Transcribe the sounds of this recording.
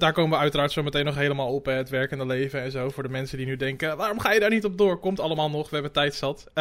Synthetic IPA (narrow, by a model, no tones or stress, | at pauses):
daːɹkowməʋəœɥtəraːɹtsowmətejnːɔχɦejləmaːlˠɔpəətʋɛɹkəndəlejvənɛnzowvʊːɹdəmɛnsədinydɛŋkəʋaːɾɔmχaːjədaːɹnitɔb̚dʊːɹkɔmtɑlˠəmaːlˠnɔχʋəɛbətɛjtsɑt